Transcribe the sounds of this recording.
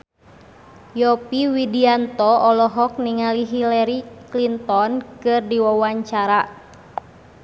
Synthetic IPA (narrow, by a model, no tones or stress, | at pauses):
jɔpiwidiant̪ɔɔlɔɦɔk̚niŋaliɦilɛɾiklint̪ɔnkɨrdiwawaɲt͡ʃaɾa